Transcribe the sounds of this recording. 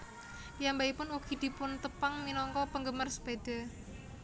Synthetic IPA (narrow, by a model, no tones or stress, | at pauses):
jambaipʊnukid̪̥i̤pʊnt̪əpaŋminɔŋkɔpəŋɡəmərsə̥bed̪̥a̤